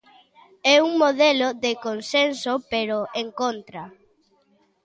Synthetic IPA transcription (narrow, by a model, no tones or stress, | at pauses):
ɛuŋmoðɛloðekonsensopeɾoeŋkont̪ɾa